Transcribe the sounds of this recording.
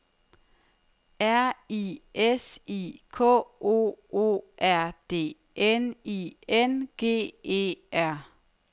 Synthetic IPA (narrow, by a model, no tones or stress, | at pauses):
æɐiʔesikʰɔ̰ːo̝̰ːo̝̰ːʔæɐ̰d̥e̝̰ː | ʔenienɡ̥e̝̰ːe̝̰ːæɐ̰